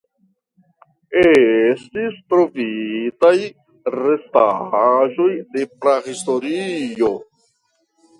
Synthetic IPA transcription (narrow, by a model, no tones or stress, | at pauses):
estistɾo̞vitaj | ɾe̞staʒo̞jde̞pɾahisto̞ɾio̞